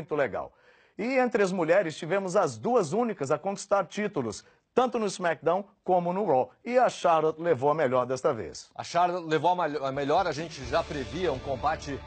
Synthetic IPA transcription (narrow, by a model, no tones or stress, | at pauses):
j̃t̪ʊleɡa̰w | ɪẽnt̪ɾɪɐzmuʎɛɾɪst͡ʃivẽmʊzɐzd̪uɐzũnikɐzɐkõki̥st̪aɾt͡ʃit̪ʊlʊs | t̪ɐ̃nt̪ʊnʊɪzmak̚d̪ɐ̃w̃kõmʊnʊɾɔɪɐʃaɾlot̪levowɐmeʎɔɾd̪ɛst̪ɐvḛsɐ̰ʃaɾlot̪levowɐmameʎɔɾɐʒẽnt͡ʃɪʒapɾeviɐũkõbat͡ʃɪ